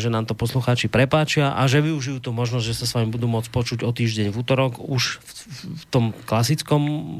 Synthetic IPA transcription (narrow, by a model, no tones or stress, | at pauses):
ʒɛnaːmt̪ɔpɔsluxaːt͡ʃipɾɛpaːt͡ʃɪaʔaʒɛʋiuʒijuːt̪umɔʒnɔzɟʒɛsasʋaːmibud̪uːmʊɔt͡spɔt͡ʃuɟɔt̪iːʒɟɛɲvut̪ɔɾɔkuʃ | t̪ɔmklasit͡skɔm